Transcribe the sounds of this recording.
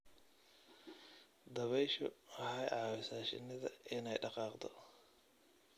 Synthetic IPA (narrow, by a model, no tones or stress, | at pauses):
d̪ɐβɛjʃɔ̰ɐhɛjʕɑːwɪsaːʃɪ̰nɪðɐ̰ʔɪnɛjɖɑqɑːqd̪ʰɔ